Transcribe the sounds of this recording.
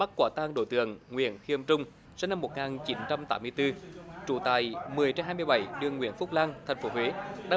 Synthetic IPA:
ɓa˦˥k̚kwaː˧˩t̪aː˧ŋɗo̰˧˩jt̪ɨ̰˧˨əŋːwḭ˧˨ənxi˧ʔə˧mt͡ɕʊ˧ŋ͡m | sɛ˧na˧mːo˨˩t̚ŋaː˨˩nt͡ɕi˨˦nt͡ɕa˧mt̪aː˦mːɨ˧əjt̪ɨ˧t͡ɕu˧˩t̪aː˨˩jmɨ˨˩əjt͡ɕɛ˧mɦaː˧jmɨ˧jɓa˧˩jɗɨ˧əŋːwḭ˧˨ənfʊ˦˥k͡p̚laː˧ŋt̪ʰɛ˨˩ŋ̟fo˨˦ɦwe˨˦ɗa̰ː˧˦

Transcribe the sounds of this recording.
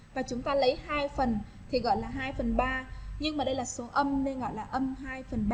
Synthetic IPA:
vaː˨˩t͡ɕʊ˨˦ŋ͡mt̪aː˧lə˨˦jhaː˧jfə˨˩n | t̪ʰi˨˩ɣɔ̰˧˨jlaː˨˩ɦaː˧jfə˨˩nɓaː˧ɲɨ˧ŋmaː˨˩ɗə˧jlaː˨˩so˨˦ʔə˧mne˧nɣɔ̰˧˨jlaː˨˩ʔə˧mɦaː˧jfə˨˩nɓa˧

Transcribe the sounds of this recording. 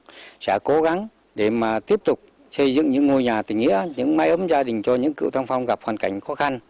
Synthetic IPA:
sɛ̰˧˥ko˨˦ɣa˨˦ŋ | ɗe˧˩maː˨˩t̪i˦˥əp̚t̪ʊ˨˩k͡p̚ | sə˧jzɨ̰˧˨ŋɲɨ̰˧˥ŋːo˧jɲaː˨˩t̪ï˨˩ŋ̟ŋḭ˧˥əɲɨ̰˧˥ŋmaː˧˦jʔə˨˦mzaː˧ɗï˨˩ŋ̟t͡ɕɔ˧ɲɨ̰˧˥ŋkḭ˧˨wt̪ʰa˧ŋfa˧wŋ͡mɣa˨˩p̚hwaː˨˩nka˧˩jŋ̟xɔ˨˦xa˧n

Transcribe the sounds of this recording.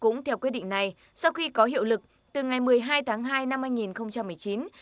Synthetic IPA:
kʊ̰˧˥ŋ͡mt̪ʰɛ˧wkwi˦˥t̚ɗḭ˧˨ŋ̟na˨˩j | sa˧wxi˧kɔ˨˦ɦḭ˧˨əwlɨ˨˩k̚ | t̪ɨ˨˩ŋa˨˩jmɨ˨˩əjɦaː˧jt̪ʰaː˨˦ŋɦaː˧jna˧mhaː˧jŋi˨˩nxə˧wŋ͡mt͡ɕa˧mːɨ˨˩əjt͡ɕi˨˦n

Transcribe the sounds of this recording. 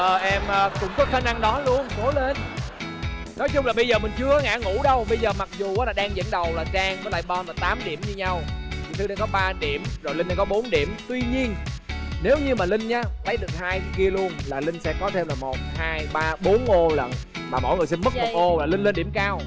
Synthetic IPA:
ʔəː˨˩ʔɛ˧mʔəː˧kʊ̰˧˥wŋ͡mkɔ˨˦xaː˨˦na˧ŋɗɔ˨˦lu˧ənko˨˦le˧n | nɔ˨˦jt͡ɕʊ˧ŋ͡mlaː˨˩ɓə˧jzəː˨˩mï˨˩ŋ̟t͡ɕɨ˧əʔaː˨˦ŋa̰ː˧˥ŋṵ˧˥ɗə˧wɓə˧jzəː˨˩ma˨˩k̚zu˨˩ʔaː˨˦laː˨˩ɗaː˧ŋzə̰˧˥nɗə˨˩wlaː˨˩t͡ɕaː˧ŋkɔ˨˦la̰ː˧˨jɓɔ˧nlaː˨˩t̪aː˨˦mɗi˧˩əmɲɨ˧ɲa˧wt̪ʰi˨˩t̪ʰɨ˧ɗaː˧ŋkɔ˨˦ɓaː˧ɗi˧˩˨əmzo˨˩jli˧ŋ̟ɗaː˧ŋkɔ˨˦ɓo˨˦nɗi˧˩əmt̪wi˧ɲi˧ənne˨˦wɲɨ˧maː˨˩lï˧ŋ̟ɲaː˨˦lə˨˦jɗɨ˨˩ək̚haː˧jki˧əlu˧ənlaː˨˩lï˧ŋ̟sɛ̰˧˥kɔ˨˦t̪ʰe˧mlaː˨˩mo˨˩t̚haː˧jɓaː˧ɓo˨˦nʔo˧lə̰˧˨n | maː˨˩mo̰˧˥˨jŋɨ˨˩əjsi˧nmɨ˦˥k̚ɗɨ˨˩k̚ʔo˧laː˨˩lï˧ŋ̟le˧nɗi˧˩əmkaː˧w

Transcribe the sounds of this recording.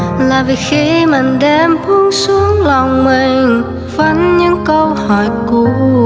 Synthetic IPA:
laː˨˩vi˨˩xi˧mï˨˩ŋ̟ɗɛ˧mtʰu˧˦ŋsu˨˦əŋlɔ˨˩ŋ͡mmi˨˩ŋ | və˨˧˦nɲɨ̰˧˥ŋkə˧whɔ˧˩jku˧˩

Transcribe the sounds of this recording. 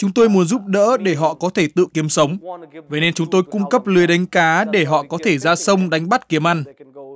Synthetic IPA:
t͡ɕʊ˨˦ŋ͡mt̪o˧jmu˨˦ənzu˦˥p̚ɗə̰ː˧˥ɗe˧˩ɦɔ̰˧˨kɔ˨˦t̪ʰe˧˩t̪ɨ̰˧˨ki˨˦əmsə˨˦wŋ͡mve˨˦ne˧nt͡ɕʊ˨˦ŋ͡mt̪o˧jkʊ˧ŋ͡mkə˦˥p̚lɨ˨əjɗa˨˦jŋ̟kaː˨˦ɗe˧˩ɦɔ̰˧˨kɔ˨˦t̪ʰe˧˩zaː˧sə˧wŋ͡mɗa˨˦jŋ̟ɓa˦˥t̚ki˨˦əmʔa˧jŋ̟

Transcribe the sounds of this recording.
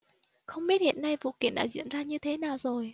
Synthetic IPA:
xə˧wŋ͡mɓi˦˥ət̚hḭ˧˨ənːa˧jvṵ˧˨ki˧˩ənɗa̰ː˧zḭ˧˨ənzaː˧ɲɨ˧t̪ʰe˨˦naː˨˩wzo˨˩j

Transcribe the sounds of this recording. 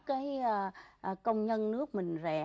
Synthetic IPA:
kaː˨˦jəː˨˩ʔkə˧wŋ͡mɲə˧nnɨ˦˥ək̚mï˨˩ŋ̟zɛ̰˨˩

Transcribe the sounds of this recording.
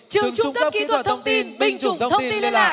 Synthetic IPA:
t͡ɕɨ̰˨˧˨wt͡ɕʊ˧kə˦˥˦ki˨˦wʰə˥t̪ʰə˧wŋ͡mt̪i˧nɓï˨˩ŋ̟t͡ɕʊ̰˨ŋ͡m̪t̪ʰə˧w̪i˧lla˧˨˩

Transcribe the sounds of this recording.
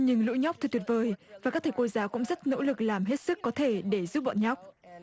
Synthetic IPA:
ɲɨ˧ŋlṵ˧˥ɲa˦˥w̚t̪ʰɨ˨˩t̪wi˨˩t̚vəː˨˩jvaː˨˩kaː˦˥k̚t̪ʰe˧˩ko˧˦jzaː˨˦wkʊ̰˧˥ŋ͡mzə˦˥t̚no̰˧˥lɨ˨˩k̚laː˨˩mɦe˦˥t̚sɨ˦˥kːɔ˨˦t̪ʰe˧˩ɗe˧˩zu˦˥p̚ɓɔ̰˧˨nɲɔ˦˥wk͡p̚

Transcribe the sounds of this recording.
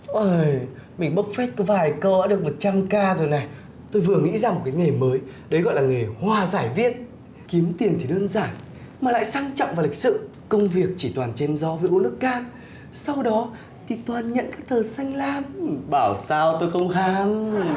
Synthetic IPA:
ʔəː˧˩j | mï˨˩ŋ̟ɓə˦˥k̚fe˦˥t̚kɔ˨˦vaː˨˩jkɔ˨˧˦aː˦ɗɨ˨˩ək̚mo˨˩t̚t͡ɕaː˧ŋkaː˧zo˨˩jna˨˩j | t̪o˧jvɨ˨˩əŋḭ˧˥zaː˧m˨˩t̚kaː˨˦jŋe˨˩məː˨˦j | ɗə˨˦jɣɔ̰˧˨jlaː˨˩ŋe˨˩jhwaː˧˩zaː˧˩jvḭ˧˥ən̚ | ki˨˦əmt̪i˨˩ənt̪ʰi˨˩ɗəː˧nzaː˧˩n | maː˨˩la̰ː˧˨jsaː˧ŋt͡ɕɔ̰˧˨wŋ͡mva˨˩li˨˩k̚sɨ̰˧˨ | kə˧wŋ͡mvi˨˩ək̚t͡ɕi˧˩t̪waː˨˩nt͡ɕɛ˧˦mzɔ˨˦vəː˨˦jʔu˨˦lɨ˦˥əkːaː˧n | sa˧wɗɔ˨˦ | t̪ʰi˨˩t̪waː˨˩nɲə̰˧˨nkaː˦˥k̚t̪ʰəː˨˩sa˧jŋ̟laː˧mɓaː˧˩wsaː˧wt̪o˧jxə˧wŋ͡mxaː˨˦ŋ

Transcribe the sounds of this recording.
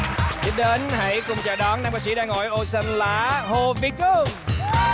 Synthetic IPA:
ti˦˥ɗe˨˦nɦa̰˧˥jkʊ˨˩ŋ͡mt͡ɕa̰ː˨˩ɗɔ˨˦nɗaː˧ŋ͡mɓaː˨˦˥ksi˧˦ɗaː˧ŋːɔ̰˧˩jʔo˧sə˧nlaː˨˩˦ho˧˩vi˨˦ku˧˩

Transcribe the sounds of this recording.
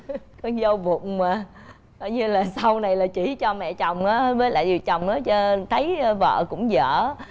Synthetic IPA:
kɔ˨˧nzə˧wvʊ̰˨˧˨ŋ͡mmaː˨˩ | kɔ˧˨˩jɲɨ˧laː˨˩sa˧wna˨˩jlaː˨˩t͡ɕi˧˩˦t͡ɕɔ˧mɛ̰˧˨t͡ɕɔ˨˩wŋ͡mʔaː˨˦həː˧vəː˨˦la̰ː˧˨zi˨˩t͡ɕɔ˨˩wŋ͡mʔaː˨˦t͡ɕə˧t̪ʰə˨˦jvə̰ː˧˨kʊ̰˧˥ŋ͡mzə̰ː˧˩˨

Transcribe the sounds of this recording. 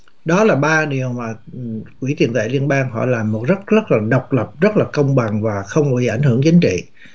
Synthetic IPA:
ɗɔ˨˦laː˨˩ɓaː˧ɗi˨˩əwmaː˨˩kwi˧˩t̪i˨˩ənt̪ḛ˧˨li˧ənɓaː˧ŋɦɔ̰˧˨laː˨˩mːo˨˩t̚zə˦˥t̚zə˦˥t̚laː˨˩ɗə˨˩wk͡p̚lə˨˩p̚zə˦˥t̚laː˨˩kə˧wŋ͡mɓa˨˩ŋvaː˨˩xə˧wŋ͡mi˨˩˨ʔa˧˩jŋ̟hɨ˧˩ət͡ɕi˨˦ŋ̟t͡ɕḭ˧˨

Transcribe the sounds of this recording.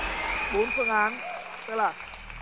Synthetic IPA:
ɓo˨˦nfɨ˧˩əŋʔaː˨˦n | t̪ɨ˧˥k̚laː˨˩

